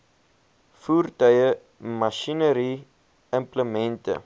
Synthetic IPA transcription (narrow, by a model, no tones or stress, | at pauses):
fuːrtœjə | mɐʃinəɾi | əmpləmɛntə̰